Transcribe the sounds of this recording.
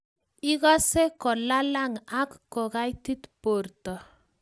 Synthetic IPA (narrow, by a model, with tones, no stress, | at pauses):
i˦ɣɔ˦se˦kɔ˨la˦la˦ŋa˦kːɔ˨ɣa˦jti˦t̪po˨rtɔ˨